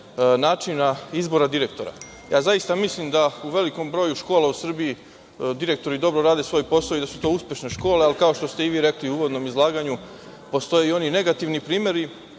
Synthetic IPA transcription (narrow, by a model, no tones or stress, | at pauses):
naːt͡ʃinaizbo̞ɾad̪iɾe̞k̚t̪o̞ɾa̰ | ja̰ːzajist̪amislimd̪auʋe̞liko̞mbɾo̞ːjuʃko̞ːlausr̩bii | d̪iɾe̞k̚t̪o̞ɾid̪o̞bɾo̞ɾaːd̪e̞sʋo̞jpo̞saoid̪asut̪o̞ːuspʲje̞ʃne̞ʃko̞ːle̞alkao̞ʃt̪o̞st̪eiʋiːɾe̞kliuuːʋo̞d̪no̞mizlˠaːɡaɲu | po̞st̪o̞jeo̞nine̞ɡat̪iʋnipɾiːmje̞ɾi